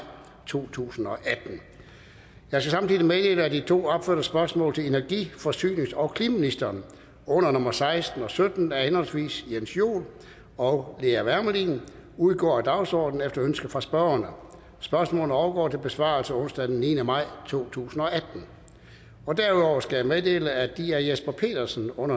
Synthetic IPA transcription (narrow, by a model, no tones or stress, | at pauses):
t͡sʰo̝̰ːt͡sʰṵːsn̩ɒ̽ʔæd̥n̩ | jɑ̈ɪskæsɑ̈mt͡sʰiðˠimed̥e̝ləæd̥it͡sʰo̝̰ːɒ̽b̥føɐd̥ɐsb̥ɶɐsmɔ̰ːl̩t͡sʰe̝e̝næɐɡ̥ifɒsy̰ːne̝ŋsɒ̽ʊkʰlimminisd̥ɐːn | ɔ̽n̰ɐnɔ̽mɐsɑ̈ɪsd̥n̩ɒ̽sød̥n̩æɐhenhɒ̽lsʋḭːsjensjo̝̰ːl | ɒʊle̝æʋæɐməlin | uðˠɡ̥ɒ̰ːæd̥ɑ̈ʊsɒ̰ːd̥n̩efd̥ɐønsɡ̥əfʁɑ̈sb̥ɶːɐnə | sb̥ɶɐsmɔ̽ːlən̩əɒʊɐɡ̥ɒ̰ːt͡sʰe̝lb̥e̝sʋɑ̰̈ːlsəɔ̽n̰sd̥æd̥enniːnəmɑ̈ɪ̰t͡sʰo̝̰ːt͡sʰṵːsn̩ɒ̽ʔæd̥n̩ | ɒ̽d̥æɐuðˠɒʊ̰ɐskæjameðˠd̥e̝̰ːləæd̥iæɐjesb̥ɐpʰe̝̰ːd̥ɐsn̩ɔ̽n̰ɐ